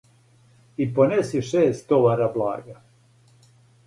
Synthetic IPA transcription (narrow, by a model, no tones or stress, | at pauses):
ipone̞siʃeːst̪oʋaɾablˠa̰ːɡa